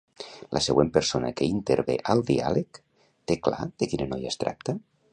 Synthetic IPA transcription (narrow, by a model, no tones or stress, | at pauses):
lʔəsəɣwempəɾsonə̰kəint̪eɾβeʔəlˠd̪ia̰lek | t̪ekla̰ðəkinənɔja̰st̪ɾʔa̰k̚t̪ə